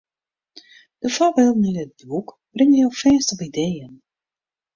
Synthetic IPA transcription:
d̥əfɔbɪlˠdnɛət̚buk | b̥rɪŋjowfɛːnstɔpidejən

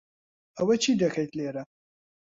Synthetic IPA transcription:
ɐwɐt͡ʃʰidɐxɐjt̪leːɾɐ

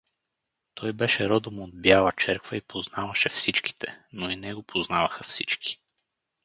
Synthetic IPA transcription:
t̪ɔjbɛʃɛɾɔd̪omod̪̚bjalˠɐt͡ʃɛɾkvəipʰoznavɐʃɛfsit͡ʃk̟i̥t̪ʰɛnoinɛɡopʰoznavɐxɐfsit͡ʃkʰi̥

